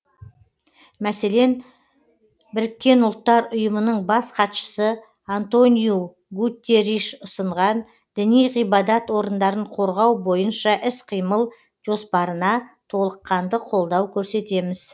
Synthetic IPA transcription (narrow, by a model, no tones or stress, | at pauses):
mæse̞le̞n | bɪɾɪkʲːe̞nʊlˠt̪ːɑɾʊjəmənəɴbɑsqʰɑt̪ʃə̥sə | ant̪o̞niju | ɡut̪ʲːeɾiʃʊsəɴʁɑn | d̪̥ɪnijʁijbɑd̪ɑt̪wo̞ɾənd̪ɑɾəɴqʰo̞ɾʁɑwbo̞jənʃɑʔɪsqʰijməlˠ | ʒ̥o̞spɑɾənɑt̪ʰo̞lˠəqːɑnd̪əqʰo̞lˠd̪ɑwkʲʰɵɾse̞t̪e̞mɪz̥